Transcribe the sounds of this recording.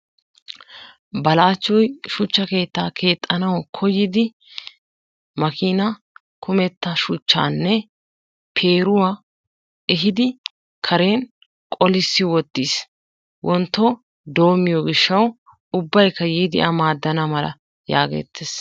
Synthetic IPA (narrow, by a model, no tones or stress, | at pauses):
bɐlaːt͡ʃːɔjʃʊt͡ʃːɐke̞ːt̪ːaːkʰe̞ːt̪ʼːɐnɐwkʰɔjːɪd̪ɪ | mɐkiːnɐ | kʰʊmɛt̪ːɐʃʊt͡ʃːa̰ːnːɛ | pʰe̞ːɾʊwaː | ʔɛɦɪd̪ɪ | kʰɐɾe̞ːn | kʼɔlɪsːɪwɔt̪ːiːs | wʔɔnt̪ːɔ | d̪o̞ːmɪjɔɡɪʃːɐw | ʊbːɐjkːɐjiːd̪ɪ̰ʔɐmaːd̪ːɐnɐmɐlɐ̰ | ja̰ːɡe̞̰ːt̪ʰːes